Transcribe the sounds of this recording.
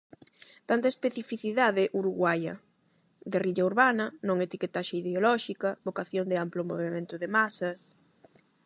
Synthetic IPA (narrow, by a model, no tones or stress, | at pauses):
t̪ant̪ɐespeθifiθiðaðɪʔuɾuɣwajɐ̰ | d̪eriʎɐuɾβanɐnõŋet̪iket̪aʃaiðeolɔʃikɐβokaθjond̪ɪamplomoβimẽnt̪ʊðemasɐs